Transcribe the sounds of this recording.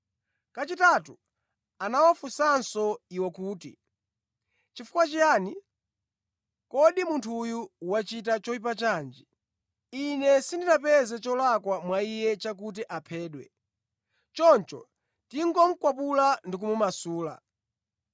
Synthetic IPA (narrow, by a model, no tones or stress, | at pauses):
kat͡ʃitatu | anawafusansɔiwɔkuːtḭ | t͡ʃifu̥kwat͡ʃijaːni | kɔɗimuntʰujuwat͡ʃitat͡ʃɔip̬at͡ʃaːnd͡ʒi | inɛsindinapɛzɛt͡ʃɔlakwamwaijɛt͡ʃak̬ut̬iʔapʰɛːɗwɛ̰ | t͡ʃɔnt͡ʃɔ̰ | tiŋɡɔm̩kwapulandik̬umumasuːla̰